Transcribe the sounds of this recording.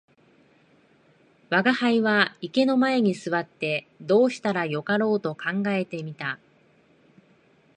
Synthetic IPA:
βaɡahaiβaike̞no̞mae̞ɲ̟isɨβat̪ːe̞ | d̪o̞ːɕi̥t̪aɾajo̞kaɾo̞ːt̪o̞kãŋɡae̞t̪e̞mʲit̪a

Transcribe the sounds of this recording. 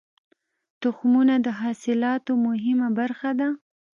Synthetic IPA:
t̪ʊxmunad̪əɦɑsɪlɑt̪omʊɦɪmabaɾxad̪a

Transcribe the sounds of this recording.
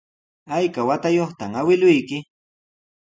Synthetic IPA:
ajkawat̪ajoχt̪amawɪlʊjkɪ

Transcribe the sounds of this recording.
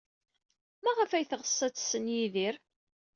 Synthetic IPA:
mæʁəfæjθʁəsˤːæt͡sːsːənjiðiɾ

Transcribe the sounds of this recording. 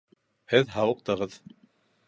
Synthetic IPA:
hɘðɦɑwɤ̆q̚t̪ɤ̆ʁɤð

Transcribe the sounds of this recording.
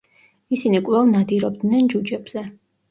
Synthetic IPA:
isinikʼvɛvnad̪iɾɔb̚d̪nɛnd͡ʒud͡ʒɛbz̥ɛ

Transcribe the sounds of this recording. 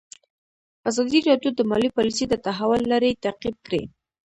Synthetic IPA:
azɑd̪iɾɑd̪jod̪əmɑlipɑlised̪ət̪aɦawʊlːaɾet̪aqib̚kɽḛ

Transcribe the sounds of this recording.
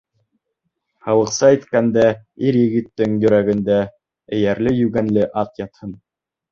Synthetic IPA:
hɑlˠɤ̆qsɑit̪kænd̪æiɾjɘ̆ɡɘ̆t̪ːɘŋjɵ̆ɾæɡɘ̆nd̪æ | ɘ̆jæɾlɘjʉɡænlɘʔɑt̪jɑt̪hɤn

